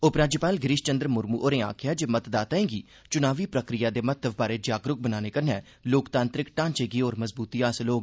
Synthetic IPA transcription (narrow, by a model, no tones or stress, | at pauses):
ʊpɾaːd͡ʒpaːlɡɾiʃt͡ʃənd̪ɾmʊɾmuːʔoːɾẽːa̰ːkʰɪjaːd͡ʒeːmət̪d̪aːt̪aːẽːɡiː | t͡ʃʊnaːʋiːpɾəkɾɪjaːd̪eːmət̪əʋbaːɾeːd͡ʒaːɡɾʊk̚bənaːneːkəɾnɛː | loːkt̪ãːnt̪ɾɪkʈãːnt͡ʃeːɡiːoːɾməzbuːt̪iːaːsloːɡ